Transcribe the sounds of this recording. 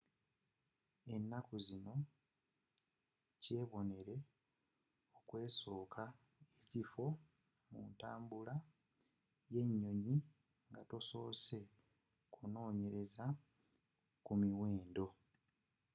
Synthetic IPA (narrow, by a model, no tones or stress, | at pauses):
e̞nːakuzino̞ | ce̞ːβo̞ne̞ɾe̞ | okwe̞ːso̞ːkʰa | ecifo̞ | mṵntaːmbula | je̞ɲːo̞ɲi | ŋɡatoso̞ːse̞ | kuno̞ːɲe̞ɾe̞za | kumiwe̞ːndo̞